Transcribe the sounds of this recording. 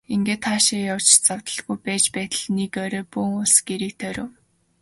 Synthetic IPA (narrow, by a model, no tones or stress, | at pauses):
iŋɡeːt̪χaːʃɪjawt͡ɕt͡saw̥t̪ə̆ɮɡujpæːt͡ɕpæːt̪ə̆ɮnekœɾœːpuːŋʊɮsɡ̥eɾiːk̚t̪ʰœɾʲoː